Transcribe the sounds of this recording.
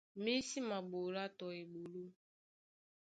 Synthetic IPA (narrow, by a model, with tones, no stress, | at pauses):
me˦si˦ma˨ɡ͡bo˨ɾa˦tɔ˨e˨ɡ͡bo˨lo˦